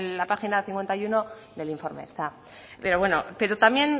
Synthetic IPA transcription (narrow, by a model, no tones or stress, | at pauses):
apaxinaθiŋkwe̞nt̪ajuno̞ | ðe̞liɱfo̞ɾmḛst̪a | pe̞ɾo̞βwe̞nope̞ɾot̪amje̞n